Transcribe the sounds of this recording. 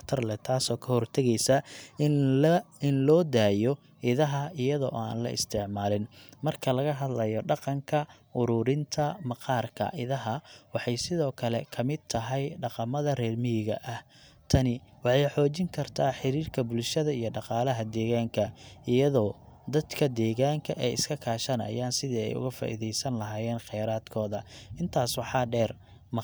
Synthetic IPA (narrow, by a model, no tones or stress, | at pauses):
kt̪ʰɐrlɛt̪ʰaːsɔːkʰɐhɔrt̪ʰɐɣɛjsɐ | ɪnlɔːd̪aːjɔ | ʔɪðɐɦɐɪjɐðɔ̰ːʔaːnlɐ̰ʔɪ̰st̪ʰɪʕmaːlɪnmɐrkʰɐlɐɣɐɦɐd̪lɐjɔɖɑqɑŋkʰɐʔʊɾʊːɾɪnt̪ʰɐmɑqɑːrkʰɐ̰ʔɪðɐɦɐwɑħɑjsɪðɔːkʰɐlɛkʰɐmɪd̪̚t̪ʰɐɦɛjɖɑqɑmɐðɐrɛːrmɪjɪɣɐ̰ʔɐh | t̪ʰɐnɪwɑħɑjħɔːt͡ʃɪŋkʰɐrt̪ʰaːħɪɾiːrkʰɐbʊlʃɐðɐijɞɖɑqɑːlɐɦɐd̪ɛːɣaːŋkʰɐʔɪjɐðɔːd̪ɐd̪kʰɐd̪ɛːɣaːŋkʰɐʔɛːɪskʰɐkʰaːʃɐnɐ̰jaːnsɪðiːɛ̰jʊ̰ɣɐfa̰ːʔḭðɛjsɐnlɐɦaːjɛːnqɛjɾaːd̪̥kʰɔːðɐʔɪnt̪ʰaːswɑħɑːɖɛːr | m